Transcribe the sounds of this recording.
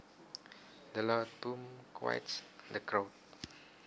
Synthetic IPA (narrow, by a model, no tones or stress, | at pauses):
d̪əlɔd̚bũmkʰwa̰jtsdəkʰɹot̚